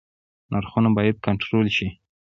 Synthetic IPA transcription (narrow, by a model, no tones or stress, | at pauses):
nʔaɾxunabɑjad̪̚kaɳʈɾolʃi